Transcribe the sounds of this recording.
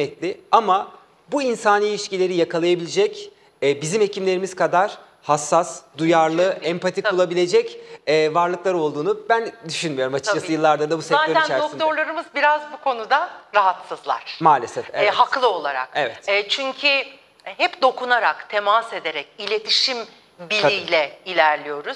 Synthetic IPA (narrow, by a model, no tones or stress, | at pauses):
ɛt̪lʲɪama | buinsaːniːlʲiʃcilʲe̞ɾijakalˠajabilʲed͡ʒɛcː | bizime̞cʰimlʲe̞ɾimiz̥kʰad̪aɾ̥ | hasːasd̪ujaɾlˠɯɛmpʰat̪ʰikulˠabilʲe̞d͡ʒɛcɛːvaɾlˠɯklˠaɾo̞lˠd̪uːnubænd̪yʃynmijo̞ɾumat͡ʃʰɯ̥kd͡ʒasɯjɯlˠːaɾd̪ad̪abusɛzaːt̪iænt͡ʃæɾd̪okt̪ʰoɾlˠaɾɯmɯzbiɾazbukʰo̞nud̪aɾaɦat̪sɯzlˠa̰ɾ̥maːlʲesɛeɛɦaklˠɯo̞lˠaɾa̰kevɛt̪ːt͡ʃʰyɲcʰy | ɦɛpd̪o̞kunaɾakt̪ʰemase̞d̪e̞ɾɛcilʲe̞t̪ʰiʃim | bilʲijlʲɛilʲæɾlʲijo̞ɾuz̥